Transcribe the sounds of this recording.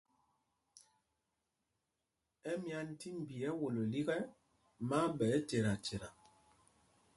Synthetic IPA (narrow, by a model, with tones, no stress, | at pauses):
ɛ˦mja˦n˦ti˦m̩˨bi˨ɛ˦wo˨lo˨li˦ɣɛ˦ | ma˦bɛ˨˦te˨ɾa˨te˨ɾa˨